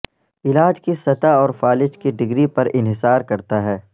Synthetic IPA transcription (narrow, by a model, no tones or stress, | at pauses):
ɪlaːd͡ʒkisɐt̪aɔːɾfaːlɪʃkiɖɪɡɾipɐɾɪnɦɪsaːɾkɐɾt̪aɦɛː